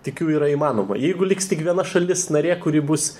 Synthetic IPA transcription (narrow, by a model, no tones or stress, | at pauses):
t̪ʲɪkjuːiːɾɐimɑːnoːmɐ̰jɛɪɡʊlʲɪkstʲɪkʋʲiɛnɐʃɐlʲɪsnɐɾʲeːkʊɾʲɪbʊs